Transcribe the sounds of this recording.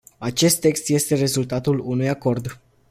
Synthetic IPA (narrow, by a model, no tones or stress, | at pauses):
at͡ʃe̞st̪ːe̞kst̪je̞st̪e̞ɾe̞zult̪at̪ulunujako̞rd̪